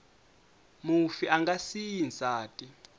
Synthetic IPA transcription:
mufiʔaŋɡasijinsʼaːtʼi

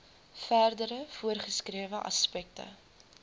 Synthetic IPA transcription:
færdəɾəfuərχəskriəvəʔɐ̰spɛk̚tə̰

